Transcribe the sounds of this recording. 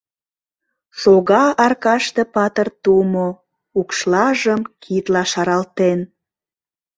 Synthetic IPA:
soɣɑɑrkɑʃt̪epɑt̪ərt̪umo | ukʃlɑʒəmkʰit̪lɑʃɑɾɑlt̪en

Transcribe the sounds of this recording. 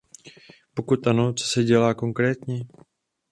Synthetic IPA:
po̞kut̪ʔano̞t͡so̞̥sɛɟɛlaːko̞ŋkɾɛːt̪ɲɛ

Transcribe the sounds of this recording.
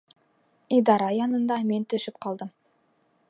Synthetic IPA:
ijd̪ɑɾɑjɑnənd̪ɑme̞nt̪ʰʏʃɪpqʰɑlˠd̪əm

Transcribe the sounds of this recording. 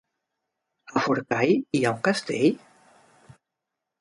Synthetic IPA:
afuɾkajiauŋkast̪eʎ

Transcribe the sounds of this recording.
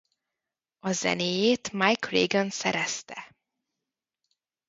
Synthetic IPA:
ɒzɛ̰neːjeːt̪majkreːɡonsɛɾɛst̪ɛ

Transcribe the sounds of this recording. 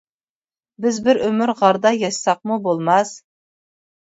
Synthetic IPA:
bɪzbɪɾømyɾʁɑɾd̪ɑjɑʃsɑq̚mubolˠmɑs

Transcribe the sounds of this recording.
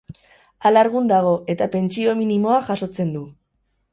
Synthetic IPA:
alaɾɣund̪aɣ̞o̞ʔe̞t̪ape̞nt͡sio̞minimo̞aʝaso̞t͡se̞nd̪u

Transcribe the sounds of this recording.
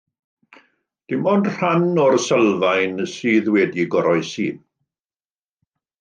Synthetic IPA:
d̥ɪmɔndr̥anɔrsəlˠvajnəsiːðwɛdiɡɔɾɔjsiːð

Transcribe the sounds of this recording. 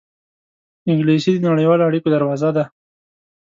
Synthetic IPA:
ɪŋɡlisid̪ənaɽajwɑloaɽikod̪aɾwɑzad̪a

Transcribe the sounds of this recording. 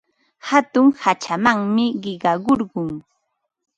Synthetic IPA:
hat̪ʊŋhat͡ʃamaŋmɪɢɪɢɑɢoɾɢʊŋ

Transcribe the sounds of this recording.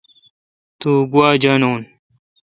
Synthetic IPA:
t̪uːɡuaːd͡ʑɐnoːn

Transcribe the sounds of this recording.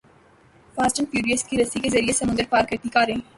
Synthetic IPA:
faːsʈənpjuːɾiəskiɾɐsikezɐɾiesɐmʊ̃nd̪əɾpaːɾkɐɾt̪ikaːɾẽː

